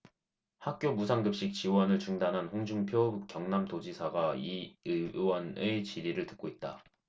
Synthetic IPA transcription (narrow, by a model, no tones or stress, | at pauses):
hak̚k͈jomusʰaŋɡɯp̚ɕ͈ik̚t͡ɕiwʌnɯɭt͡ɕuŋdanɦanɸoŋd͡ʑuŋpʰjokjʌŋnamtod͡ʑisʰaɡaiɯwʌnet͡ɕiɾiɾɯɭtɯk͈̚oit̚t͈a̰